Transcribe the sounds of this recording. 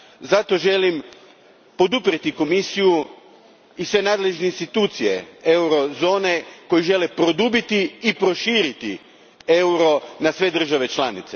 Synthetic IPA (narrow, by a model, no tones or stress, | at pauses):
zat̪o̞ʒe̞lim | po̞d̪upɾet̪iko̞misiju | isʋe̞naːd̪le̞ʒneinst̪it̪uːt̪sije̞̰e̞wɾo̞zo̞ːne̞ko̞jiʒe̞lepɾo̞d̪ubit̪iːpɾo̞ʃiːɾit̪ḭ | e̞wɾo̞nasʋe̞d̪r̩ʒaʋe̞t͡ʃlanḭt̪se